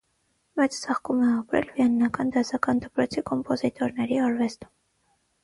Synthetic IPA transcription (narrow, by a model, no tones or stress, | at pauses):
mɛt͡st͡sʰɑχkumɛɑpɾɛ̰lviɑnːɑkɑnd̪ɑzɑkɑnd̪əpɾɔt͡sʰikʰɔmpɔzit̪ɔɾnɛɾiɑɾvɛst̪u̥m